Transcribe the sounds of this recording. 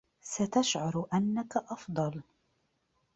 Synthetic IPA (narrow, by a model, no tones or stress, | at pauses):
sat̪aʃʕɑɾˤʔanːakaʔɑfd̪ˤɑl